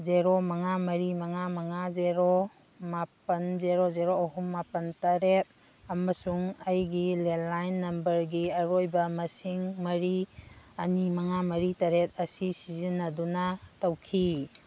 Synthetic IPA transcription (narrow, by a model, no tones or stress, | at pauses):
zeɾomɐŋamɐɾimɐŋamɐŋazeɾo | mapɐnzeɾozeɾoːɦumːapɐntɐɾet̚ | ɐmɐsuŋɐjɡilelajnːɐmbɐɾɡiɐɾojbɐmɐsiŋmɐɾiɐnimɐŋamɐɾitɐɾet̚ɐsisizinːɐdunɐtɐwkʰi